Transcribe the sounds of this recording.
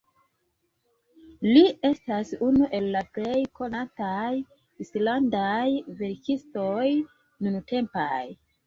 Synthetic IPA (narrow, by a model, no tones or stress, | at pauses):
lie̞stasunuʔe̞lːaple̞jko̞nataj | islandajve̞ɾkisto̞j | nunte̞mpa̰j